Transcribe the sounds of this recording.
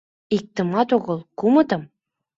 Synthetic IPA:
ik̚t̪ə̆mɑt̪oʁəlˠkumət̪ɤm

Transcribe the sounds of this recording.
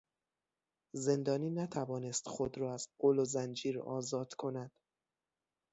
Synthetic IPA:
ze̞nd̪ɒːniːnæt̪ʰævɒːne̞st̪xod̪ɾɒːæz̥ɢolozænd͡ʒiːɾɒ̰ːzɒːd̪̥kʰo̞næd̪̥

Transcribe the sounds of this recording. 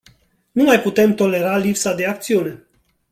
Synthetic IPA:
numajput̪e̞mt̪o̞le̞ɾalipsad̪e̞akt̪siune̞

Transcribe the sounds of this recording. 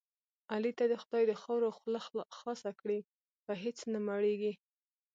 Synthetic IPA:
alit̪ad̪əxʊd̪ɑjd̪əxɑwɾoxlaxlɑsakɽi | bəɦet͡snamaɽeɡi

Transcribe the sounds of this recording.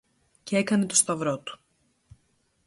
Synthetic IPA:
cee̞kɐne̞t̪ost̪ɐvɾo̞t̪u̥

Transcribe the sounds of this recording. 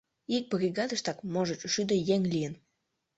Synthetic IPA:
ik̚brʲiɣɑd̪ə̆ʃt̪ɑkmoʒə̆t͡ɕʃyd̪ə̆jeŋlijən

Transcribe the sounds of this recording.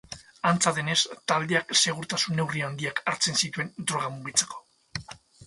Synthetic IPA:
ant͡saðe̞ne̞st̪ald̪eakse̞ɣ̞uɾt̪asunːe̞wriand̪iakaɾt͡se̞nsit̪ue̞nd̪ɾo̞ɣ̞amuɣit͡se̞̥ko̞̥

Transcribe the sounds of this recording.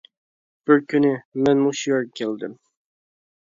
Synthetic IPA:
b̥ɪɾkʲʰynɪmɛnmuʃjoɾkʲʰeld̪ɪm

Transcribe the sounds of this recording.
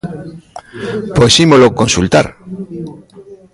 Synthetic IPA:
posimolokonsult̪a̰ɾ

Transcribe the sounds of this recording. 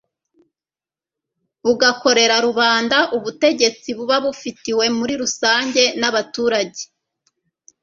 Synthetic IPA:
uɡako̞ɾe̞ɾaɾuβaːndaʔuβute̞ɟe̞t͡siβuβaβufitiwe̞muɾiɾusaːɲɟe̞naβatuːɾaɟe̞̥

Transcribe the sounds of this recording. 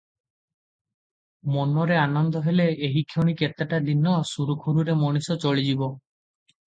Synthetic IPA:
mɔnɔɾeanɔnd̪ɔɦeleeɦikʰjoɽ̃iket̪aʈad̪inːɔsuɾukʰuɾuɾemɔɽ̃isɔt͡ʃoɭid͡ʒibɔ

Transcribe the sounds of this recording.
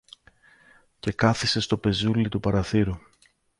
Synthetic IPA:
ce̞kɐθise̞st̪o̞pe̞zulit̪upɐɾɐθiɾu

